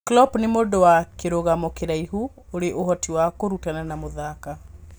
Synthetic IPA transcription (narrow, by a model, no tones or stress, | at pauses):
klɔpnemodɔwakeɾoɣamɔkeɾaiɦu | oɾeʔoɦɔtiwakoɾutananamoðaka